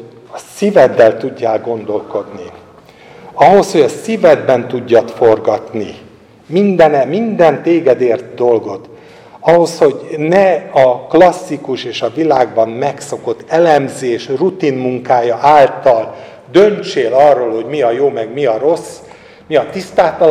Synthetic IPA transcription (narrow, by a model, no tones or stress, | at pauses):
ɒsivɛd̪ːɛlt̪uɟːaːlɡo̞nd̪o̞lko̞d̪ni | ɒɦo̞sho̞ɟɒsivɛd̪bɛnt̪uɟːɒt̪fo̞rɡɒt̪ni | mind̪ɛnɛmind̪ɛnt̪eːɡɛd̪eːrt̪d̪o̞lɡo̞t̪ | ɒɦo̞sho̞ɟnɛɒklɒsːikuʃeːʃɒvilaːɡbɒmmɛkso̞ko̞t̪ːɛlɛmzeːʃrut̪inmuŋkaːjɒʔaːlt̪ɒl | d̪ønt͡ʃeːlɒrːoːlho̞ɟmiɒjoːmɛɡmiɒɾo̞sː | miɒt̪ist̪aːt̪ɒ